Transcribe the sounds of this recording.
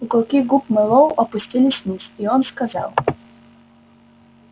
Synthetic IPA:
ukɔlˠkʲiɡupmɨlˠowɐpʊsʲtʲilʲɪsʲnʲisʲiɔnskazɑ̰lˠ

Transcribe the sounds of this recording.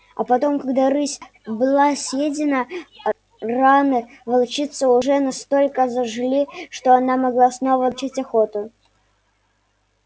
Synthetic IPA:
ɐ̰pɐt̪o̞mkɐɡd̪aɾɨsʲ | bɨlˠasʲjedʲɪnə | ranɨ | vɐlˠt͡ɕit̪sːəʊʐɛnɐst̪o̞lʲkəzəʐlʲiʂt̪oɐnamɐɡlˠasno̞vəlˠt͡ɕitʲɐxo̞t̪ʊ

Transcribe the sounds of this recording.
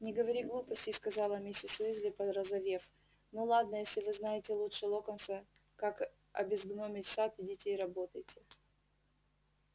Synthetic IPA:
nʲɪɡəvɐɾʲiɡlˠupəsʲtʲɪskɐzɑlˠəmʲesʲɪsɨzʲlʲɪpəd̪rəzɐvʲef | nolˠad̪nəjesʲlʲɪvɨznajɪtʲɪlˠutʂɨlˠokənsə | kak | ɐ̰bʲɪzɡnomʲɪtʲsat̪ɪdʲɪtʲeːɾɐbo̞t̪əjtʲɪ

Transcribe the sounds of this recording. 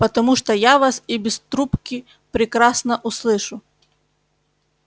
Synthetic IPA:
pɐt̪ɐmuʂt̪ɔjaʋɑsibʲist̪ɾupkʲi | pɾʲɪkɾɑsnɐʔuslˠɪʃʊ

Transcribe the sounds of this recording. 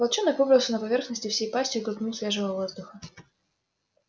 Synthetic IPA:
pɐlˠt͡ɕonːɨkvobɾəzʊnəpɐvʲe̞rxnəsʲtʲɪfsʲejpasʲtʲʊɡɾˠʊpʲnʲusʲlʲeʐɨvəvvo̞zd̪ʊxə

